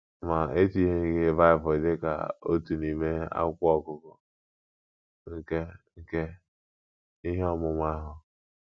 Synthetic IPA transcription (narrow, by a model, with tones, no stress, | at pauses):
ma˨e˦ti˦ɦe˦ɡɪ˦va˦ɪ˨vʊ˨dɪ˦ka̰˨o̰˦tu˨ni˨me˦a̰˦kʷɔ˨kʊ˦kʊ˦ | ŋ̩˦ke˦ŋ̩˦ke˦ | i˦ɦe˦ɔ˨mʊ˦ma˦ɦʊ˦